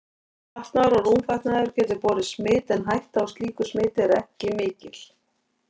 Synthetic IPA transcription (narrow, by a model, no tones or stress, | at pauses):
aht̪naɾaruːmfajht̪naðʏɾcɛːt̪ʏpɔːɾɪsmɪːt̪ɛnɦajht̪awst̪liːkʏsmɪːt̪ɪɾɛhcɪmɪːcɪl̥